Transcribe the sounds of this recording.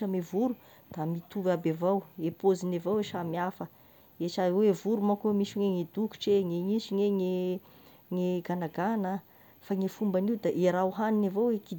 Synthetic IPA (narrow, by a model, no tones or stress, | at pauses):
amevuɾu | d̪̥amit̪uvabavawepozinevaweʃamiafə | eʈ͡ʂawevuɾumakemiʃuŋeŋed̪uku̥ʈ͡ʂeŋeŋiʃiŋeŋe | ŋeɡanaɡana | faŋefumbaniwd̪aʔeɾawɦaninavoweki